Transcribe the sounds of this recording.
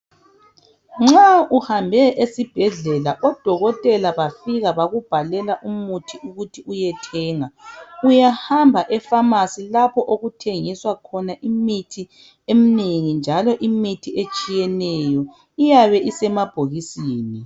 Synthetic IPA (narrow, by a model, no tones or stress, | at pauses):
ŋ͡ǁauhambʱɛʔesib̥ʱɛɮɛlaʔɔd̥ʱɔɣɔtʼɛlaβafiɣaβaɣub̥ʱalɛlaʔumutʰiʔuɣutʰiujɛtʰɛːŋaujahambʱaʔɛfamasilapʰɔʔoɣutʰeŋiswakʰɔnaʔimitʰi | emineŋind͡ʒʱalɔʔimitʰiet͡ʃʼijɛnɛjɔ | ijaβɛʔisɛmab̥ʱoɣisiːni